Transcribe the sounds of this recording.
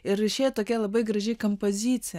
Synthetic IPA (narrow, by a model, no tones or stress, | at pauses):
ɪɾɐɪʃʲeːjɛt̪oːkʲɛlˠɐbɐɪɡɾɐʒʲɛɪkompozʲit̪sʲɪjɛ